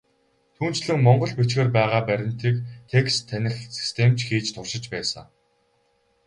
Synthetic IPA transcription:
t̪ʰuːn̥t͡ɕɮɘ̆ŋmɔɴɢɞ̆ɮpet͡ɕɡeːrpæːʁaːpæɾʲɪ̆n̥t̪ikt̪ʰekst̪ʰːænʲɪ̆rsi̥st̪ʰem̥t͡ɕxiːt͡ɕt̪ʰʊrʃɪ̆t͡ɕpæːsə̰̆ŋ

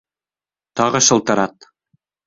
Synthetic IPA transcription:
t̪ɑʁɤʃɤ̆lˠt̪ɤ̆ɾɑt̪̚

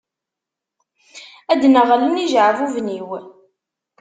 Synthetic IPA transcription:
æd̪nəʁələniʒʕvuvniw

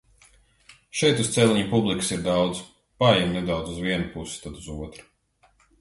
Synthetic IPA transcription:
ʃɛjt̪ust̪sɛlʲiɲupublˠiksiɾd̪awd̪z | pajɛmnɛd̪awd̪zuzviɛnupusɪ̥t̪ad̪uzuɔt̪ɾḁ

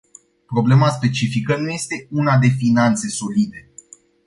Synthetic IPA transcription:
pɾo̞ble̞maspe̞t͡ʃifikənuje̞st̪e̞unad̪e̞finant̪se̞so̞lid̪e̞

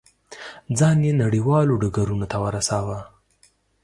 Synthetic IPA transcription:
d͡zɑnjenaɽiwɑloɖaɡaɾunot̪awəɾasawa

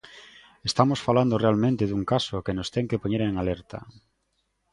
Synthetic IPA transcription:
est̪amosfaland̪orealmẽnt̪ɪðuŋkasokenost̪ɛŋkepoɲeɾeŋalɛɾt̪a̰

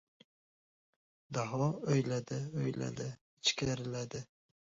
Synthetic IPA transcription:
d̪ɑɦwɑøjlɛd̪ɪøjlæ̰d̪ɪ | ɪt͡ʃʰkʲæɾɪlɛd̪ɪ

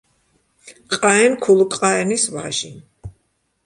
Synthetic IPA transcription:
qʼaɛnkʰulˠkʼqʼaɛnisva̰ʒi

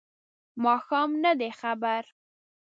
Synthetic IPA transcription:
mɑxɑmnad̪exabaɾ

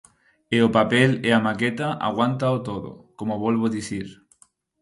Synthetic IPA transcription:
eopapeleamaket̪aʔa̰ɣwant̪aot̪oðo̰komoβolβ̞oðiθiɾ

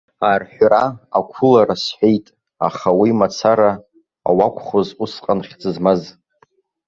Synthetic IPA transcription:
arħʷᶣraakʷʰʊlaɾasħʷᶣejtʼ | a̰χawimat͡sʰaɾa̰ː | wakʷʰʼχozusqʼanχʲd͡zɨzmaz

